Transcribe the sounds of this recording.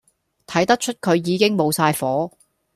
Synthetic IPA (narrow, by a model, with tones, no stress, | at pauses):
t̪ʰɐ˨˥jt̪ɐ˥k̚t͡ʃʰɵ˥t̚kʰɵ˨˧ɥjiː˨˧kɪ˥ŋmo˨˧wsaː˧jfɔː˨˥